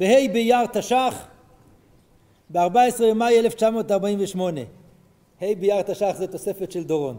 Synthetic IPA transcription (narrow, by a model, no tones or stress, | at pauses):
behejbejaʁt̪aʃaχ | beaʁbaesʁeemajeleft͡ʃamo̞ːtaʁbaimveʃmo̞ne̞ | hejbejaʁt̪aʃaχzet̪o̞se̞fe̞tʃeld̪oʁon